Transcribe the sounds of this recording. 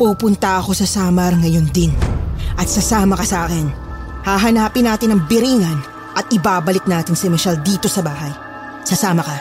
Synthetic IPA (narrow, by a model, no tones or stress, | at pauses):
puːpʊnt̪ɐʔɐko̞sɐsaːmɐɾŋɐjo̞nd̪ɪnʔɐt̪̚sɐsaːmɐkɐsɐʔaːkɪnhaːɦɐnaːpɪnaːt̪ɪnɐŋbɪɾiːŋɐn | ʔɐt̪̚ɪbaːbɐlɪk̚naːt̪ɪŋsɛmɐʃald̪iːt̪o̞sɐbaːɦɐj | sɐsaːmɐkɐ